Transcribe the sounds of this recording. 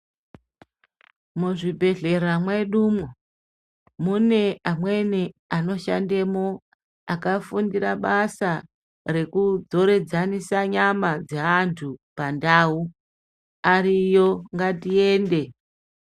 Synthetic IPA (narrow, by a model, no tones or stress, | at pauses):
muʐibʱe̞ɮe̞ramweɗuːmo | mune̞ʔamwe̞niano̞ʃa̰ndemo | akafundiɾaɓasa | re̞kud͡zo̞ɾe̞d͡zanisaɲamad͡zeantʰupandaːu | aɾijo̞ŋɡatie̞ːnde̞